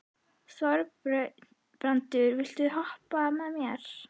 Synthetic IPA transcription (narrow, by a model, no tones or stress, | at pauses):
svɔɾ | pɾant̪ʏɾvɪl̥t̪ʏɦɔhpamɛðmjɛɾ̥